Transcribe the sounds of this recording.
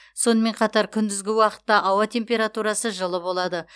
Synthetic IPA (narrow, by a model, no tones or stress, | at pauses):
so̞nəme̞ɴqʰɑt̪ɑɾkʲʰʏnd̪ɪzɡʲɪwɑqə̥t̪ːɑʔɑwɑt̪ʰe̞mpʲe̞ɾat̪uɾɑsəʒəlˠəbo̞lˠɑd̪ə